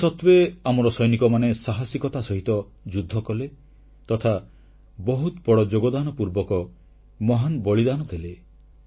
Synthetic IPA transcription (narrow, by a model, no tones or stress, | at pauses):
sɔt̪weamɔɾɔsɔjnikɔmanesaɦasikɔt̪asɔɦit̪ɔ | d͡ʒud̪ʱːɔkɔle | t̪ɔt̪ʰa | bɔɦut̪bɔɽɔd͡ʒoɡɔd̪anɔpuɾbɔkɔ | mɔɦanbɔɭid̪anɔd̪ʱele